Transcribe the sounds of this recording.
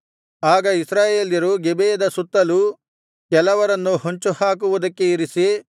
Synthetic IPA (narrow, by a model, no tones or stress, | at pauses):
aːɡɐisɾaːje̞ːljɐɾuɡebeːɐd̪ɐsut̪ːɐlu | kɛlɐʋɐɾɐnːuhoɲt͡ʃuhaːk̬uʋud̪ɐkːe̞iɾisi